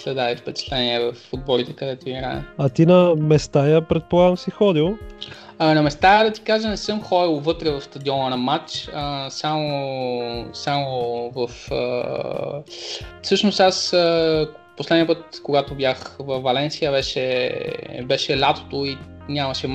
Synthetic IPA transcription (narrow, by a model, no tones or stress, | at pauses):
slɛd̪aifpɛt͡ʃɛ̥t̪lɛniɛvɐfud̪̚bɔlit̪ɛkɐd̪ɛt̪oiɾa̰ə̰ɐt̪inɐmɛst̪ajəpɾɛt̪̚polˠaɡnosixɔd̪ilˠ | nɐmɛst̪ajəd̪ɐt̪i̥kaʒənɛsɤmxɔdilˠvɤt̪ɾɛvɐfst̪ɐd̪iɔnɐnɐmat͡ʃəsamo | samovɐfə̰ | fsɤʃnost̪asə | poslɛd̪niəp̬ɤt̪koɡat̪obʲjaxvɐfːɐlɛnsijəβɛʃɛ | bɛʃɛlʲat̪o̥t̪oi | nʲamɐʃɛ